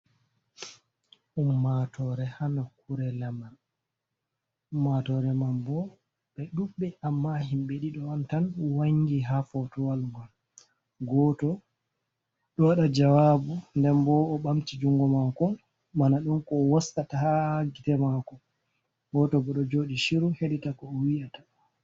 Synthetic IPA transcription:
ʔumːatʰɔɾɛhanakuɾɛlamal | umːatɔɾɛmambɔ | ɓɛɗuɓːɛʔamːahimɓɛɗiɗɔantanwaɲɡiɦafɔtɔwalŋɡɔl | ɡɔtɔ | ɗɔwaɗad͡ʒawabundɛmbɔːɓamtid͡ʒuŋɡɔmakɔ | manaɗunkɔːwastataaɡitɛmakɔ | ɡɔtɔbɔɗɔd͡ʒoɗiʃiɾuheɗitakɔːwijatḁ

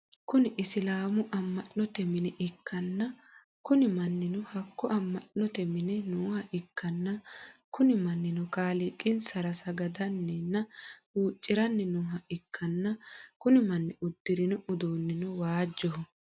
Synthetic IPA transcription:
kʊnɪʔɪsɪlaːmʊʔɐmːɐʔnɔt̪ɛmɪnɛʔɪkʰːɐnːɐ | kʊnɪmɐnːɪnʊhɐkːɔɐmːɐʔːɔt̪ɛmɪnɛnuːhɐʔɪkːɐnːɐkʊnɪmɐnːɪnʊkaːlɪkʼːɪnsɐɾɐsɐɡɐd̪ɐnːɛnːɐuːt͡ʃʼːɪɾɐnːɛnuːɦɐʔɪkʰːɐnːɐkʊnɪmɐnːɪʊd̪̥ːɪɾɪnʊʔʊd̪oːnːɪnʊwaːd͡ʒːɔɦɔ

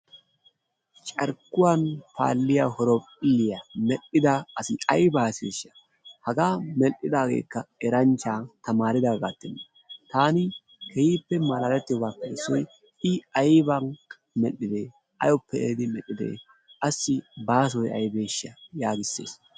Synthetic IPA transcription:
t͡ʃʼɐɾkːʊwanpʰa̰ːlːɪjaːhɔɾɔpʼɪlːɪjamɛɗɪd̪aɐsɪɐjbaːseːʃːɐ̥ | hɐɡaːmɛʔːɪd̪aːɡḛːkːɐɛɾɐnt͡ʃːaːt̪ɐmaːɾɪd̪aːɡaːt̪ːɪnːɐ | t̪aːnɪ | kɛjiːpːɛmɐlaːlɛt̪ːɪjɔbaːkːḛːsːɔj | ɪɐjbɐn | mɛlːɪd̪eː | ʔɐ̰jɔpːɛeːd̪ɪmɛɗːɪd̪ḛː | ɐsːɪbaːs̬ɔjɐ̰jbe̞ːʃːɐjaːɡɪsːḛːs

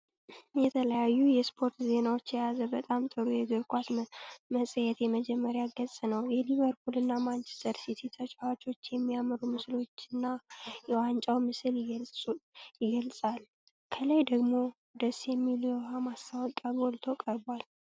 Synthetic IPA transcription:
jɛt̪ʰələjajːujɛspʰo̞ɾt̪ze̞nawot͡ʃːjɛjazəbət̪ʼamt̪ʼɨɾujɛɡɨɾkʷasməsʼəjɛt̪jɛməd͡ʒɛmːəɾjaɡəsʼnəwjɛliβəɾpʰulɨnːamant͡ʃʰɛ̥st̪ʰəɾsit̪ʰit̪ʰət͡ʃʼawat͡ʃo̞t͡ʃːjɛmːijamɨɾumɨslo̞t͡ʃːɨnːajɛwant͡ʃʼawmɨsɨlɪɡ | jɪɡəlsʼal | kʰələjd̪əɡmo̞ | d̪əsjɛmːilohamast̪ʰawɔkʼaɡo̞lt̪ʰo̞kʼəɾbal

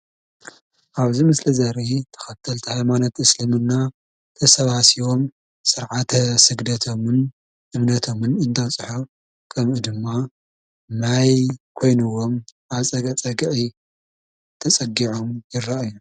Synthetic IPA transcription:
ʔaβzimɨslɐzɐɾit̪ʰɐ̥xɐt̪ʰːɐlt̪ʰihajmanot̪ɨslɨmɨnːa | t̪ʰɐsɐβasiwo̞m | sɨɾʕat̪ʰɐsɨɡd̪ɐt̪ʰo̞mɨn | ʔɨβnɐt̪ʰo̞mɨnɨnt̪ʰɐβt͡sʼɨħo | kʰɐmʔud̪ɨmːa | najkʰo̞jnɨwːo̞mʔaβt͡sʼɐɡɐt͡sʼɐɡʕi | t̪ʰɐt͡sʼɐɡiʕomjɪrːaʔaju

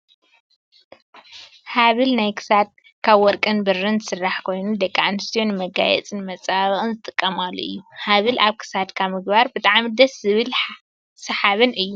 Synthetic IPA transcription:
haβɨlnajkʰɨ̥sad̪̚ | kʰaβwɔɾkʼɨnbɨrɨnsɨrːaħkʰo̞jnud̪ɐkʼːanɨst̪ʰijonmɐɡa̰jɛ̰t͡sʼɨnmɐt͡sʼaβɐχʼɨnzɨt̪ʼɨkʼːɐmalːṵʔɨ̰jːuhaβɨlʔaβkʰɨ̥sad̪kʰaβmɨɡbaɾbɨt̪ʼaʕmid̪ɐszɨβɨlħ | sɐħaβɨnʔɨjːu

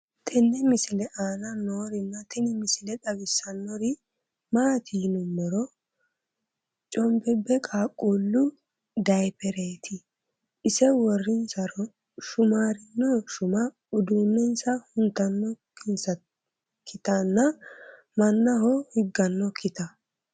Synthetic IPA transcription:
t̪ʰɛnːɛmɪsɪlɛʔaːnɐnoːɾɪnːɐt̪ɛnɪmɪsɪlɛᶑɐbɪsːɐnːɔɾɪ | maːt̪ʰiːnʊmːɔɾɔ | t͡ʃʼɔmbɛbːɛkʼaːkʼːulːʊ | d̪ɐjpɛɾeːt̪ʰɪ | ʔɪsɛwɔrːɪnsɐɾɔ | ʃʊmaːɾɪnːɔʃʊmɐ | ʊd̪uːnːɛnsɐhʊnt̪ɐnːɔkʰɪnsɐ | kʰːɪt̪ɐnːɐ | mɐnːɐhɔhɪɡːɐnːɔkɪt̪ɐ

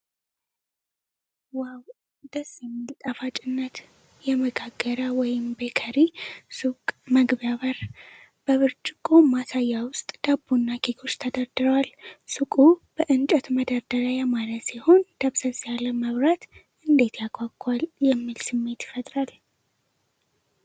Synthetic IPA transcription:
waw | d̪̥əsjɛmːilt̪ʼafat͡ʃʼɪnːət̪ | jɛməɡaɡːəɾəwɔjɪmbəkʰəɾisukʼməɡbaβəɾ | b̥əβɨɾt͡ʃʼɪkʼomasajːawʊst̪ʼd̪̥abunːakʰiɡʰo̞t͡ʃːt̪ʰəd̪əɾd̪ɨɾəwalsukʼub̥əʔɨnt͡ʃʼət̪məd̪aɾd̪əɾajamalət̪siho̞nd̪̥əβsəzjaləməβɾat̪ʔɨnd̪e̞t̪ʰjakʼakʼːaljɛmːilsɨmːe̞t̪jɪ̥fət̪ʼɾal

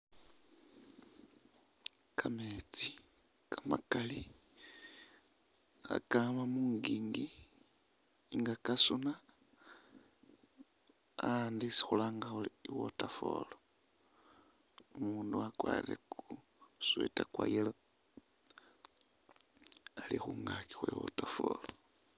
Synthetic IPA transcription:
kʰamet͡si | kamakali | a̰kamamuŋɡiːŋɡi | ŋɡakasuna | andisi̥xulaːŋɡauliiwotafo̰lo | umuːnduakwaːɾeku | swḛtakwajelo | alixuŋɡaki̥xwewo̰tafo̰lo

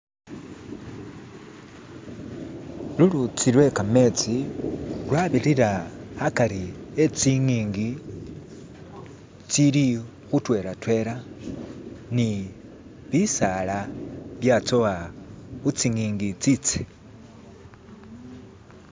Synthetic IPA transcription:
lulut͡silwe̞kame̞t͡si | lwaβiɾiɾaakaɾiet͡siŋiːŋɡi | t͡sili | xutwe̞ɾatwe̞ɾa | ni | βisalaβjat͡sowaxut͡siŋiːŋɡit͡sit͡se̥

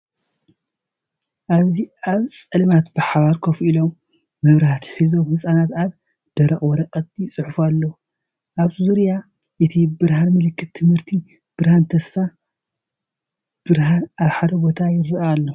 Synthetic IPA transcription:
ʔaβziaβsʼɐlɨmat̪bɨħaβaɾkʰofilomː | ɐβɾaht̪ʰi̥ħizo̞mhɨsʼanat̪aβ | d̪̥ɐɾɐχʼwɔɾɐqʼɐt̪̚jɪt͡sʼɨħfualːɐwu | ʔaβzuɾja | ʔɨt̪ʰibɨɾhanmɨlɨkːɨt̪ːʰɨmhɨɾt̪ʰi | b̥ɨɾhant̪ʰɐsfa | b̥ɨɾhanaβħad̪ɐbo̞t̪ʰajɪɾɨʔalːo

